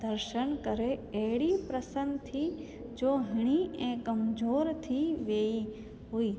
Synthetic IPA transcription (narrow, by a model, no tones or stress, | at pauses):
d̪əɾʃənkəɾeeɽipɾəsənt̪ʰi | d͡ʒoːɦəɽ̃iẽkəmd͡ʒoːɾt̪ʰiʋeːi | ɦuiː